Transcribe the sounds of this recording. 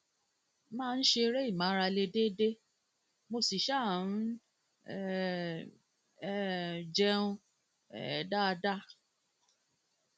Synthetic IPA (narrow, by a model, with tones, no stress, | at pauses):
mãː˦˧n̩˦ʃe˧ɾe˦i˦˨mã˨˦ɾa˧le˧de˦de˦ | mo˧si˨ʃa˦˨n̩˦ | ɛ˦d͡ʒɛ˦ũ˧ | ɛ̰˨da˦˧da˦